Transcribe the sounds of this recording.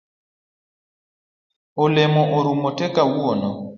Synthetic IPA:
olɛmɔʔoɾumotɛkawuɔnɔ

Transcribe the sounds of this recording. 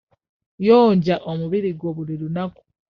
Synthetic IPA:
joːɲɟaʔomuβiɾiɡwoβuliɾunaku̥

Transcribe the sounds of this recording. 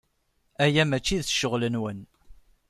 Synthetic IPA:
æjæmæt͡ʃːiðθə̥ʃəʁlənwən

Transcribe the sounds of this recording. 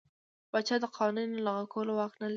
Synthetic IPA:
b̥at͡ʃad̪əqʰɑnunnalaɣakawəlowɑknal

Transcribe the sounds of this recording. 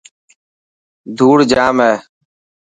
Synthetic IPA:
d̪ʱuːɽd͡ʒaːmɦɛː

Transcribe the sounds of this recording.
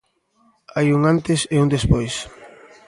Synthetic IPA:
ajuŋant̪ɪseund̪espojs

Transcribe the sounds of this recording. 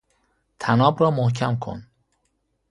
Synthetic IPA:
t̪ʰænɒːbɾɒːmohcʰæmkʰo̰n

